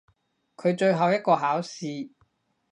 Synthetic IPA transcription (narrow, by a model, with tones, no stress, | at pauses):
kʰɵ˨˧ɥt͡ʃɵ˧ɥɦɐ˨wjɐ˥t̚kɔː˧ɦaː˨˥wsiː˧